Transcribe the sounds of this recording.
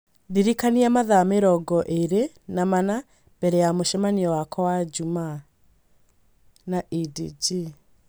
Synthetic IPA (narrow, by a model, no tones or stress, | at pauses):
diɾikaniamaðameɾɔɡɔʔeɾe | namana | b̥ɛɾɛjamoʃɛmaniɔwakɔwad͡ʒuma | naʔidid͡ʒi